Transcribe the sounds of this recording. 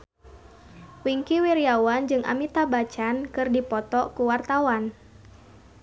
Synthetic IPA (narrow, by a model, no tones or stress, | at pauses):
wiŋkiwiɾiawand͡ʒɨŋʔa̰mit̪abat͡ʃankɨrdipɔt̪ɔkuwart̪awan